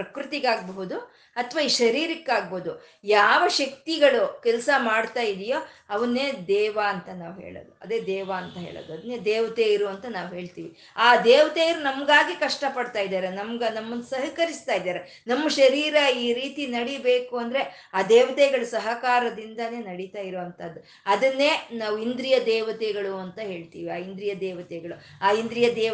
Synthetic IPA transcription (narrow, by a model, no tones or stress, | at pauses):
pɾɐkɾɨt̪iɡaːɡ̚bɐɦud̪u | ɐt̪ʰʋaːiːʃɐɾiːɾikːaːɡ̚boud̪u | jaːʋɐʃɐk̚t̪iɡɐɭukɛlsɐmaːɽt̪aːjid̪ijo̞ːɐʋɐnːeːd̪ɛːʋaɐnt̪ɐnaːʋɦḛːɭo̰ːd̪uɐd̪e̞ːd̪ɛːʋaɐnt̪ɐɦḛːɭo̰ːd̪uɐd̪ɐnːeːd̪ɛːʋɐt̪ejiɾuɐnt̪ɐnaːʋuɦe̞ːɭt̪iːʋi | aːd̪ɛːʋɐt̪ejiɾunɐmɐɡaːɡikɐʂʈɐpɐɽt̪aːjid̪aːɾenɐmɡɐnɐmːɐnd̪sɐɦɐkɐɾist̪aːjd̪aːɾe | nɐmːɐʃɐɾiːɾɐiːɾiːt̪inɐɽibeːkuɐnd̪ɐɾe̞ | aːd̪ɛːʋɐt̪ɛɡɐɭusɐɦɐkaːɾɐd̪ind̪ɐne̞ːnɐɽit̪aːjiɾuʋɐnt̪ʰɐd̪ːu | ɐd̪ɐnːeːnaːʋuind̪ɾijɐd̪ɛːʋɐt̪ɛɡɐɭuɐnt̪ɐɦe̞ːɭt̪iːʋiaːind̪ɾijɐd̪ɛːʋɐt̪ɛɡɐɭu | aːind̪ɾijɐd̪ɛː